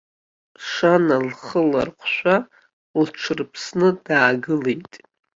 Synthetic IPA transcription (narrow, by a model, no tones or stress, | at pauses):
ʂanalχəla̰rqʷʰʃʷa | lʈ͡ʂʰɨrpʰsnɨd̥aːɡɨlejtʼ